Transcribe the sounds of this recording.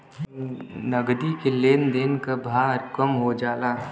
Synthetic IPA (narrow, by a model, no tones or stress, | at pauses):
nəɡd̪ikeleːnd̪eːnkabʱaːɾkəmɦod͡ʒaːlaː